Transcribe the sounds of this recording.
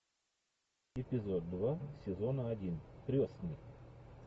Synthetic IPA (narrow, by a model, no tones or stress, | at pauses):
ɪpʲɪzod̪̚ːvasʲɪzonəɐdʲint̪ɾʲosnɨj